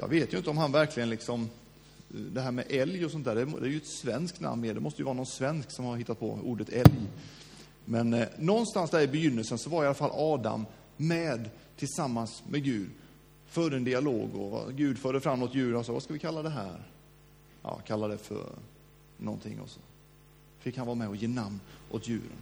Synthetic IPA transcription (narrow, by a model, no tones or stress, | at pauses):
jɑ̰ːɡveːt̪jɵʏnt̪əɔmɦanvæɾklɪɡənlɪksɔm | d̪ɛɦæːɾmɛʔɛljɔsɔnæːɖɛd̪ɛæːɾjɵɛt̪svɛnsk̪̚na̰mːmeːɖ̪dɛmɔst̪əjəvɑːɾanɔnsvɛnsksɔmhaɾhɪt̪ːat̪̚pʰɔ̰ṵːɖət̪ʰɛlj | mɛnːɔnst̪ansd̪æɾɪbɛjʏnːəlsənsɔvaɾɪalːafalːɑːd̪a̰mː | ɛːd̪ | t̪ʰɪlsamːansmʔɛɡʉ̟ːd̪ | fœɾɛnd̪ɪalo̰ːɡɔ̰ɡʉ̟ːd̪fœːɖəfɾamːɔt̪jʉ̟ːɾənhansɑːɡva̰skavɪkʰalːad̪ɛɦæ̰ːɾ | jʔɑ̰ːkʰalːad̪ɛfœ̰ɾ | nɔ̰nt̪ʰɪ̰ŋːɔ̰sɔ̥ | fɪkhanvɑːɾamɛɔjeːnamnʔo̰t̪jʉ̟̰ːɾə̰n